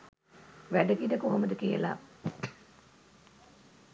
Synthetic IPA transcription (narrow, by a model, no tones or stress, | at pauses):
ʋæɖəɡid̪əkoɦoməd̪əkijə̰la̰